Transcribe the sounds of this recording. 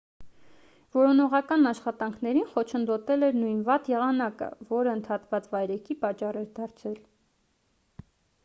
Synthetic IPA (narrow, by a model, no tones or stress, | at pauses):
vɔɾɔnɔʁɑkɑnɑʃχɑt̪ɑŋkʰnɛɾinχɔt͡ʃʰənd̪ɔt̪ɛlɛɾnujnvɑt̪jɛʁɑnɑkə̰vɔɾəənt̪ʰɑt̪vɑt͡svɑjɾɛkʰipɑt͡ʃɑrɛɾd̪ɑɾt͡sʰɛl